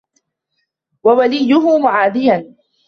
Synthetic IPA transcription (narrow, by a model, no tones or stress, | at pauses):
wawalijʊɦʊmʊʕaːd̪ɪjan